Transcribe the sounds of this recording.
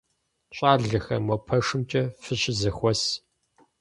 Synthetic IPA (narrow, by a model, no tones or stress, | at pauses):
ɕʼaːrɮɨxɐmɔpʰɐʂɨmt͡ʃʼɐfɨɕɪzɨxʷɔs